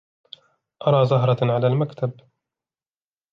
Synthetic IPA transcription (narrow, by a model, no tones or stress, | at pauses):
ʔɑɾˤɑːzʊɦɾˤɑʕalaːlmakt̪ʰab